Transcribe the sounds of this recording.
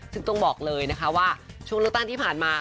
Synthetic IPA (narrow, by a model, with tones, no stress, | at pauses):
sʰɯ˥˧˩ŋt̪o˧ŋbɔː˨˩k̚lɤː˧jna˦˥kʰa˦˥waː˥˩t͡ɕʰu˥˩ŋlɯ˥˩k̚t̪a˥˩ŋt̪ʰiː˥˩pʰaː˨˩nmaː˧